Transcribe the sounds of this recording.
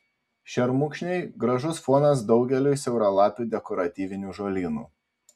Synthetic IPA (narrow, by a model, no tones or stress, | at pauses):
ʃʲɛɾmʊkʃʲnʲɛɪɡɾɐʒʊsfɔːnɐsd̪ɒʊɡʲɛlʲuːˑjsʲɛʊɾɐlˠɑːpʲuːd̪ʲɛkɔɾɐt̪ʲiːʋʲɪnʲuːʒoːlʲiːnṵː